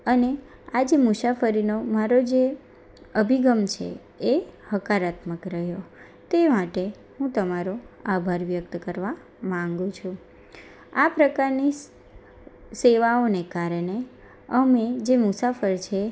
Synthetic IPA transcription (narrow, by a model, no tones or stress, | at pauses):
əne | ad͡ʒemʊsafəɾinomaɾod͡ʒe | əbʱiɡəmt͡ʃʰḛ | ehəkaɾat̪məkɾəɦjo | t̪emaʈe | hũt̪əmaɾoabʱaɾʋjək̚t̪kəɾʋa | mãŋɡũt͡ʃʰũ | apɾəkaɾni | seʋaonekaɾəɳe | əmed͡ʒemʊsafəɾt͡ʃʰe